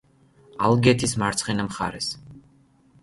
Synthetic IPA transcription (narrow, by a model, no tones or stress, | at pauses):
alˠɡɛt̪ʰismaɾt̪sʰχinamχa̰ɾɛs